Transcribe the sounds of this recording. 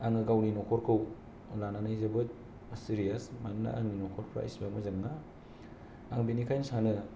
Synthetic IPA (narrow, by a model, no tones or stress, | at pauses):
aŋɯɡawninɔkʰɔɾkʰɯw | lananajzabɯt̚ | siɾiasmanna̰ʔa̰ŋninɔkʰɔɾpʰɾa̰ḭsbak̚mɯzɯŋna | aŋbinikʰajnsanɯ